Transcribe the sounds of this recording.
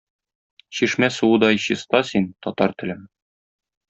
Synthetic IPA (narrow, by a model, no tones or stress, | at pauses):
ɕiʃmæsuɤ̆d̪ɒɕɤ̆st̪ɑsint̪ɒt̪ɑɾt̪ɘ̆lɘm